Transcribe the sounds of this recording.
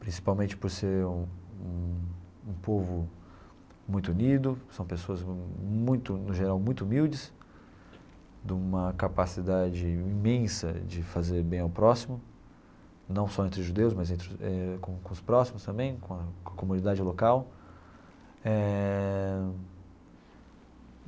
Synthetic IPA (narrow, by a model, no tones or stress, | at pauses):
pɾĩsi̥pawmẽnt͡ʃɪ̥poɾseɾũũ | ũpovʊ | mũj̃t̪ʊunid̪ʊsɐ̃w̃pesoɐzmũj̃t̪ʊnʊʒeɾawmũj̃t̪ʊumiwd͡ʒɪs | d̪ũmɐkapasid̪ad͡ʒɪĩmẽsɐ̰d͡ʒɪfazeɾbẽj̃awpɾɔsimʊ | nɐ̃w̃sɔẽnt̪ɾɪʒud̪ewʊsmɐzẽnt̪ɾɪʊɛkõkõʊspɾɔsimʊst̪ɐ̃mbẽj̃kõɐɐkomũnid̪ad͡ʒɪlokaw | ɛ